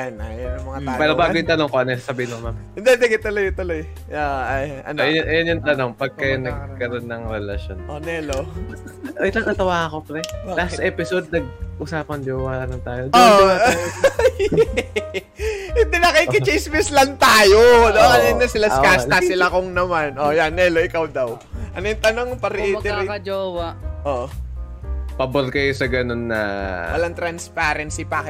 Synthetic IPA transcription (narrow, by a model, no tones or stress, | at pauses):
anɐ̰jɐnɐŋmɐŋaapɛːɾobaːɡojʊnt̪ɐnoŋkoʔɐnojsɐsɐbiːɪnomamd̪ɛd̪ɛɡɪt̪olojt̪oloj | aɐjɐ̰njnʔɐjɐnjʊnt̪ɐno̞ŋpɐɡ̚kɐjonɐɡkɐɾonːɐŋɾɛlɐʃonʔonɛlo | oʔɪlɐŋʔɐt̪ɐwaːkopɾɛlast̪ʔɛːpɪsod̪̚nɐɡ̚ʔʊsaːpɐnd͡ʒowaɐnɐnt̪aːjoo | j | ɪd̪ɪnɐkikɪt͡ʃɛjsmɪslɐŋt̪aːjod̪okɐnaŋnɐsɪlaskasɐsɪlakoŋnɐmanʔojanːɛloʔɪkawd̪ɐw | ʔɐnojt̪ɐnoŋpɐɾiːt̪ɛɐd͡ʒowɐʔoʔ | pɐboɾkɐjosɐɡɐno̞nːɐ̰ʔɐ̰lɐŋt̪ɾɐnspaːɾɛnsipakɛ